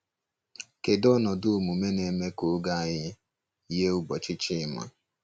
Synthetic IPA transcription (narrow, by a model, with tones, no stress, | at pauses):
ke˨dɔ˦nɔ˨dʊ˦˨mu˨me˦ne˨˦me˦ko˨˦ɡa˦˨ɲɪ˦ | je˦u˨bɔ˨t͡ʃɪ˦t͡ʃi˦ma̰˦